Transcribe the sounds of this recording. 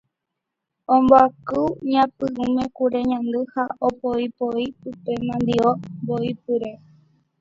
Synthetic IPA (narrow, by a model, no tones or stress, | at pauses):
õmboakɨɲãpɨʔũmẽkuɾe̞ɲãnd̪ɨhaopoipoipɨpe̞mãnd̪iomboipɨɾe̞